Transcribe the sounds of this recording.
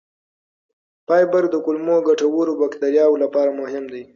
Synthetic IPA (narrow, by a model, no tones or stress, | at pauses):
pɑjbəɾd̪əkʊlmoɡaʈawoɾobakd̪aɾjɑwlapɑɾamʊɦɪmd̪aj